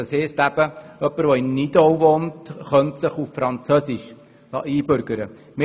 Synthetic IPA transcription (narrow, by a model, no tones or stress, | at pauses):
əsheːstæb̥əœpːəɾʋoɪnːidowʋoːntχœntsəχuffɾɑnt͡sœsiʃ | ɑ̰ʔiːbʏɾɡ̥əɾə | mɪ